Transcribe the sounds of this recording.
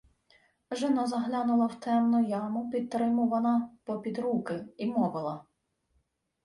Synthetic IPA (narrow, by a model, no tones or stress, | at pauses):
ʒɪnɑzɐɦlʲɑnʊlˠɐwt̪ɛmnʊjɑmʊpʲid̪̚t̪ːɾɪmʊʋɐnɐpɔpʲid̪ɾukɪimɔʋɪlˠɐ